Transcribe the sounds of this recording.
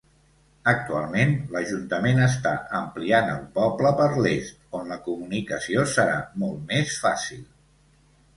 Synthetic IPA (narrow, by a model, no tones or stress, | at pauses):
ək̚t̪ua̰lˠmenləʒunt̪əmenəs̬t̪a̰əmplianə̰lˠpɔbləpəɾlest̪onləkumunikəsiosəɾa̰mɔlˠt̪mesfasilˠ